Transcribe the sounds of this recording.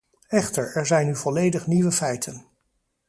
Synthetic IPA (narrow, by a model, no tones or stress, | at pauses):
ɛχtəɹɛɹzɛjnyvɔlejdəχniʋəfɛjtʰən